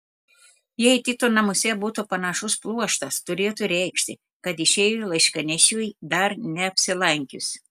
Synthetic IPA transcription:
jɛɪt̪ʲɪt̪oːnɐmʊsʲɛbuːt̪upɐnɐʃʊsplˠuɔʃt̪ɐst̪ʊɾʲeːt̪uɾʲɛɪkʃʲt̪ʲɪ | kɐt̪ɪʃʲeːjulˠɐɪʃʲkɐnʲɛʃʲuːjd̪ɐɾnʲɛɐpʲsʲɪlˠɐŋʲkʲʊs

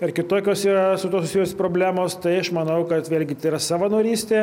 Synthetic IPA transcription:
pʲɛrkʲɪt̪oːkʲoːsiːɾɐsʊt̪oːsʊsʲijʊsʲspɾoːbʲlʲæːmoːst̪ɐɪɐʃmɐnɐʊkɐt̪ʋʲeːlʲɡʲɪt̪ɐɪiɾɐsɑːʋɐnoːɾʲiːsʲt̪ʲeː

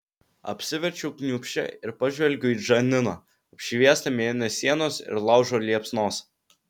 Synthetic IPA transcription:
ɐ̰pʲsʲɪʋʲɛɾʲt͡ʃʲuʊknʲuːpʲʃʲɛ̰ɪɾpɐʒʲʋʲɛlʲɡʲɛʊiːʒɐnʲɪnoː | ɐpʲʃʲɪʋʲiɛst̪ɐmʲiɛɪnʲɛsʲiɛnoːsɪ̰ɾlˠɑʊʒoːlʲiɛpsnoːs

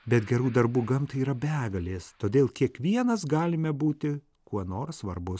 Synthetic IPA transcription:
bʲɛt̪ɡʲɛɾuːd̪ɐɾbuːɡɐmt̪ɐiːɾɐbʲæːɡɐlʲeːst̪oːd̪ʲeːlˠkʲiɛkʋʲiɛnɐsɡɑːlʲɪmʲɛbuːt̪ʲɪ | kuɔnoːɾsʋɐɾbʊs

